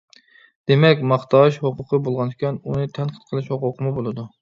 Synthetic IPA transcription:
d̪̥emɛkʲmɑχt̪ʰɑːʃhoqʰʊqʰəbolˠʁɑnd̪ɪkʲʰɑnunɨt̪ʰɛnqʰə̥t̪̚qʰəlˠɨʃhoqʊqʰəmubolˠɨd̪u

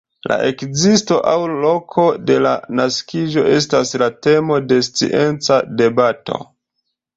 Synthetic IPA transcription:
la̰ʔe̞kzisto̞ʔawlo̞kʰo̞de̞la̰naskiʒo̞ʔe̞staslate̞mo̞de̞st͡sḭʔe̞nt͡sade̞bato̞̰

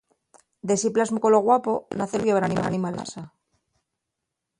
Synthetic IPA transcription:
d̪e̞siplazmukoloɣwapo̞naθelɣjeβɾanima̰nimala̰sa

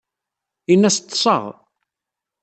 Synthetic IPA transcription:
inːæst̪ːsˤɑ̰ʁ

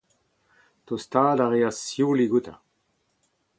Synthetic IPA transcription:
t̪ost̪aːdaʁeasjuːliɡut̪ʰa̰

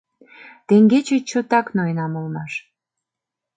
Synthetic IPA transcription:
t̪eŋɡet͡ɕet͡ɕot̪ɑknojnɑmolmɑʃ

